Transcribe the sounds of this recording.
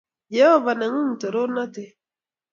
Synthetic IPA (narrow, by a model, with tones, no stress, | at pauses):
jɛ˦ɔ˦va˨na˨ŋu˦n̩˨to˨ɾo˦na˦te˨